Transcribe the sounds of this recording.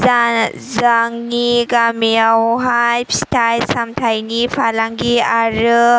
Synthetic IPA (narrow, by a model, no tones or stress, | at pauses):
zaŋniɡamiawɦajpstʰajsamtʰajnipʰalaŋɡiaɾɯ